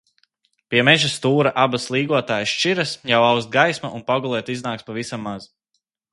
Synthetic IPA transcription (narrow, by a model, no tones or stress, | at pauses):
pʲiɛmɛʒast̪uːɾaʔabaslˠiːɡuɔt̪aːjsʃt͡ʃiɾasjawawst̪̚ɡajsmaʔunpaɡulˠɛːt̪iznaːkspavisamːaz̥